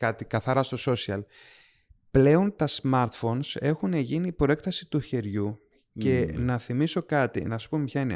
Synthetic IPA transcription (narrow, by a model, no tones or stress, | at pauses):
kɐt̪ikɐθɐɾɐst̪o̞so̞siɐ̰l | ple̞o̞nt̪ɐsmɐɾt̪fo̞nse̞xune̞ʝiniːpɾo̞e̞kt̪ɐsit̪uçe̞ɾʝu | ce̞nɐθimiso̞kɐt̪ḭnɐsu̥pumepçɐine